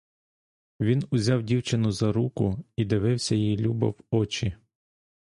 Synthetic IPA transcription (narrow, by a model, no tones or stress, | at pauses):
ʋʲinʊzʲɑwdʲiwt͡ʃɪnʊzɐɾukʊid̪ɪʋɪwsʲɐjijilʲubɐ̰wɔt͡ʃi